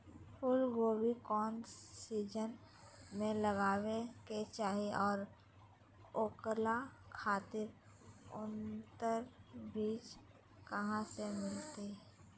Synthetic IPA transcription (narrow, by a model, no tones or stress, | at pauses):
pʰʊlɡoːbikɔːnsiːd͡ʒən | mẽləɡaːʋeket͡ʃaːɦiɔːɾ | oːklakʰaːt̪ɪɾ | ʊnt̪əɾbiːt͡ʃ | kɐɦãsemɪlt̪i